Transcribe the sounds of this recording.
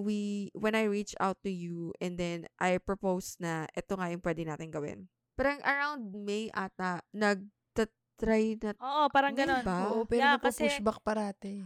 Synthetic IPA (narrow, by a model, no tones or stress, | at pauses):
wiwɛnɐjɹit͡ʃʔa̰wt̪ːʊjuʔɛnd̪ɛnʔajpɹopowsnɐʔɛt̪oŋajʊŋpwɛd̪ɪnaːt̪ɪŋɡɐwɪ̰n | paːɾɐŋʔɐɹawnd̪̚miʔaːt̪̚ɐnɐɡ̚ | t̪ɐ | t̪ɾajnɐʔoːʔopaːɾɐŋɡɐonbaoʔopɛːɾaɐkɐsuʃbɐk̚pɐɾaːt̪ɛ